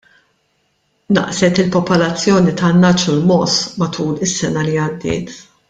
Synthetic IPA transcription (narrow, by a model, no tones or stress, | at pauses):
nɐ̰ʔsɛt̪ɪlpɔpɔlɐt͡sːjɔːnit̪ɐnːɐt͡ʃulmɔsmɐt̪uːlɪsːɛnɐliɐd̪ːɪ̰ːt̪